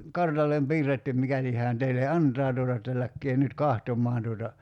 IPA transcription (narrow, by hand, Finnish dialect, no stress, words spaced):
kɑrtɑlːem piːrːetːym mikæli hæːn teile ɑntˑɑː tuotɑ etːæ lækːeː nyt kɑhtomˑɑːn tuotɑ